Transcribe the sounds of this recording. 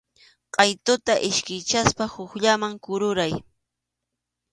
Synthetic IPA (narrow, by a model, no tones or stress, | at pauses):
qʼɑjt̪ʊt̪aʔɪʃkɪjt͡ʃaspahʊxʎamaŋkʊɾʊɾaj